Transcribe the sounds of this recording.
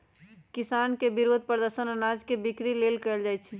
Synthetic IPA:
kɪsaːnkebɪɾoːd̪̚pɾəd̪əɾʃənənaːd͡ʒkebɪkɾileːlkəɪld͡ʒaːjt͡ʃʰi

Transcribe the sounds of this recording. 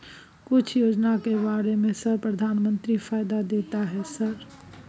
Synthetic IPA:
kʊt͡ʃʰjod͡ʒnakebaɾemẽsəɾpɾəd̪ʱaːnmənt̪ɾifʰajd̪ad̪et̪aɦɛsəɾ

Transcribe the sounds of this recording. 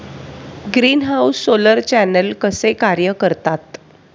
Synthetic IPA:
ɡɾiːnɦawsːoləɾt͡ɕænəlkəsekaɾjəkəɾt̪at̪

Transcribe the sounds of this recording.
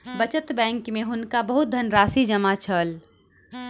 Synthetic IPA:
bɐt͡ʃət̪bɛ̃ːŋkmẽɦʊnkabəɦʊt̪̚d̪ʱɐnɾaːsid͡ʒɐmat͡ʃʰəl

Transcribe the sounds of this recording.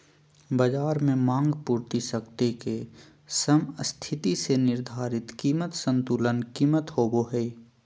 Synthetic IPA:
bəd͡ʒaːɾmẽmãːŋɡpuːɾt̪isəkt̪eke | səməst̪ʰɪt̪isenɪɾd̪ʱaːɾɪt̪kiːmət̪sə̃nt̪uːlənkiːmət̪hoːboɦɛi

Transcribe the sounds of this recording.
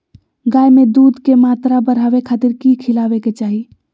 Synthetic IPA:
ɡaːjmed̪ud̪ʱkemat̪ɾabəɾɦaʋekʰaːt̪iɾkikʰilaʋeket͡ʃaːɦi

